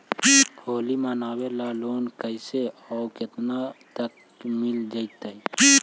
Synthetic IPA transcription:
hoːlimanaːwelaloːnkəɪseɔʊkɪt̪nat̪ək | mɪld͡ʒəit̪əi

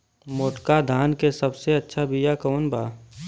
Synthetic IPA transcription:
moːʈkad̪ʱaːnkesəbseɐtːʃʰabijakəːnbaː

